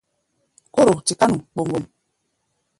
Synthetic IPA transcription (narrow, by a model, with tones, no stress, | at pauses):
ko˦ɾo˨ti˨ka˦nu˨k͡po˨ŋɡo˨n